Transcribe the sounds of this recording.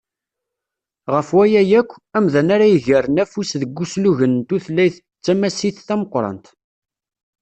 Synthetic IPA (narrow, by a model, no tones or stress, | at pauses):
ʁəfwæjæjækʷːæmðænaɾæjəʝəɾənæfusðəɡʷːusluʝənt̪uθlːæjθət͡sːæmæsiθθæməqːɾˤɑ̰nt̪